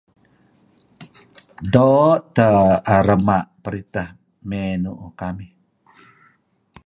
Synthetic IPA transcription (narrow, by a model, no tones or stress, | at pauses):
dɔʔt̪əaɾəmaʔpəɾit̪ah | menuʔukamih